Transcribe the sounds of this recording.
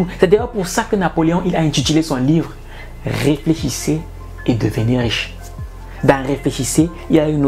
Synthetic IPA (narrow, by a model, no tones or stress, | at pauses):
usɛd̪ejɔpuʁsakənapoleɔ̃ʔilaɛ̃t̪it̪ylesɔ̃livʁ | ʁefleʃise | ed̪əvəniʁiʃ | d̪ãʁefleʃise | ilayn